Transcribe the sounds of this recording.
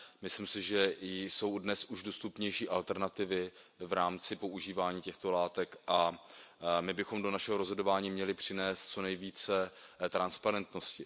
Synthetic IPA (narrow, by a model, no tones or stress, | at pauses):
mɪslɪmsɪʒɛso̞wdnɛsuʒdost̪upɲɛjʃiːʔalt̪ɛɾnat̪ɪvɪvɾaːmt͡sɪpo̞ʔuʒiːvaːɲiːcɛxt̪o̞laːt̪ɛkʔa | mɪbɪxo̞mdo̞naʃɛɦoɾozɦo̞do̞vaːɲiːmɲɛlɪpr̝̥ɪnɛːst̪̚t͡so̞nɛjviːt͡sɛt̪ɾanspaɾɛnt̪no̞scɪ